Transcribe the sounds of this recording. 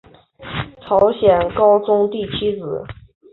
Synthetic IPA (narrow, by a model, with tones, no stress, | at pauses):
ʈ͡ʂʰɑ˧˥ʊɕjɛ˨˩nkɑ˥ʊt͡sʊ˥ŋt̪i˥˩t͡ɕʰi˥t͡sɹ̩˨˩˦